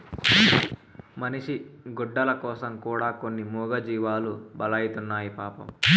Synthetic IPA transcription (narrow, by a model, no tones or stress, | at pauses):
mɐniʂiɡuɖːɐlɐkɔːsɐmkuːɽaːkonːimuːɡɐd͡ʒiːʋaːlubɐlɐjit̪unːaːjipaːpɐ̰m